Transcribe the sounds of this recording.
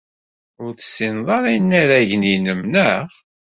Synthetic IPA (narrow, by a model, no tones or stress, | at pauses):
ʊɾθə̥sːinðˤɑɾˤijnːæɾæʝninəmnəʁ